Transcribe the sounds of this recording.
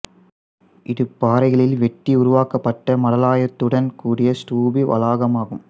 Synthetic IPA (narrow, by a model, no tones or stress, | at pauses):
ʔɪðɯpːaːɾɐɪɣɐɭɪlʋɛʈːiʊɾʊʋaːkɐpːɐʈːɐmɐɽɐlaːjɐt̪ːɯɽɐnkuːɽɪjɐsʈuːbiʋʔɐ̰laːɣɐmaːɣɯm